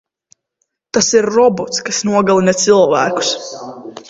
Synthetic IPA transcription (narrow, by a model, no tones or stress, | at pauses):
t̪asiɾːɔbɔt̪skasnuɔɡalˠinɛt̪silˠvæ̰ːku̥s